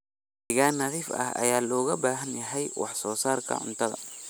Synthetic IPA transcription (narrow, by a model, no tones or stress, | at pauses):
dɪɣaːnːɐðiːfɐ̰hɐ̰jaːlɔːɣɐbaːɦɐnjɐɦɛjwɑ̰ħsɔːsaːrkʰɐ̰ʕʊ̰nt̪ʰɐðɐ̰